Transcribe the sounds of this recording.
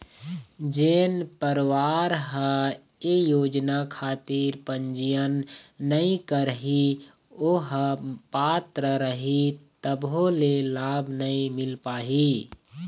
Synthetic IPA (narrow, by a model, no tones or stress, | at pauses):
d͡ʒeːnpəɾʋaːɾɦə | ejoːd͡ʒnakʰaːt̪iɾpəɲd͡ʒijənːəĩkəɾɦi | oɦəpaːt̪ɾəɾəɦit̪əbɦolelaːbʱnəĩmɪlpaːɦi